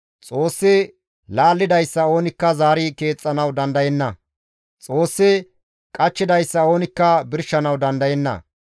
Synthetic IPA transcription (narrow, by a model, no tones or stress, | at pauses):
t͡sʼo̞ːsːɪ | laːlːɪd̪ɐjsːɐoːnɪkːɐzaːɾɪke̞ːt͡sʼːɐnɐwd̪ɐnd̪ɐjɛnːɐ | t͡sʼo̞ːsːɪ | kʼɐt͡ʃːɪd̪ɐjsːɐo̞ːnɪkːɐbɪɾʃɐnɐwd̪ɐnd̪ɐjɛnːɐ̰